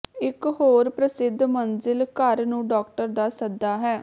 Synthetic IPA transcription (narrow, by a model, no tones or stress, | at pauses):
ɪkɦoːɾpɾəsɪd̪ːmənzɪlkəɾnũːɖɔːk̚ʈəɾd̪aːsəd̪aːɦɛː